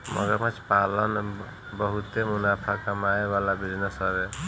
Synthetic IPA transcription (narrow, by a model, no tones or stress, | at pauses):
mə̰ɡəɾmat͡ʃpalən | bəɦut̪emunapʰakəmaeβalabid͡ʒnəsəbe